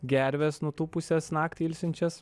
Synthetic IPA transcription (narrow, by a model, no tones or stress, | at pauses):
ɡʲæɾʲʋʲesnʊt̪uːpʊsʲɛsnɑːkt̪ʲiɪlʲsʲɪnʲt͡ʃʲɛs